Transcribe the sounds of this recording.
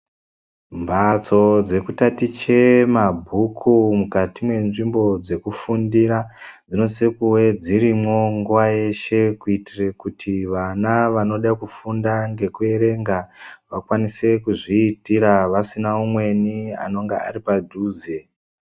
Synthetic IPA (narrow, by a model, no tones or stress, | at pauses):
mbʱat͡so̞d͡ze̞kutatit͡ʃe̞mabʱukʰumukatimwe̞nʐimbo̞d͡ze̞kufundiɾad͡zino̞sekuwe̞d͡ziɾimo̞ŋɡuwaje̞ʃe̞kuitirekutʰiʋanaʋano̞ɗakufundaŋɡe̞kue̞ɾe̞ŋɡaʋakwanise̞kuʐiːtiɾaʋasinaumwe̞nia̰no̞ŋɡeaɾipadʱuːze